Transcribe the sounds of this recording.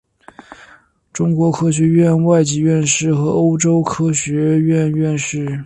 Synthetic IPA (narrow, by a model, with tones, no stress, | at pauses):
ʈ͡ʂʊ˥ŋkwɔ˧˥kʰɤ˥ɕ̬ɥɛ˧˥ɥɛ˥˧nwa˥˩ɪt͡ɕi˧˥ɥɛ˥˧nʂɻ̩˥˩xɤ˧˥o˥ʊʈ͡ʂo˥ʊkʰɤ˥ɕɥɛ˧˥ɥɛ˥˧nɥɛ˥˧nʂɻ̩˥˩